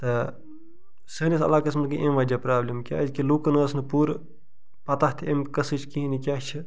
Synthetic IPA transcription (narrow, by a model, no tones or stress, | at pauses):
t̪ɐ | səːnʲisɐ̰laːkɐsmɐɡiʔemʋɐd͡ʒaːpɾaːblʲimkʲa̰ːzkiluːkɐnəːsnɨpuːɾ | pɐt̪at̪ʰemkɐsɨt͡ʃʰkiɦnikʲjaːt͡ʃʰi